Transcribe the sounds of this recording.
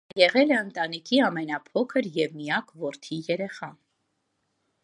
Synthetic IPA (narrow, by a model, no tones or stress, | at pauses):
jɛʁɛlɛənt̪ɑnikʰiɑmɛnɑpʰɔkʰəɾjɛvmijɑkvɔɾt̪ʰijɛɾɛχɑ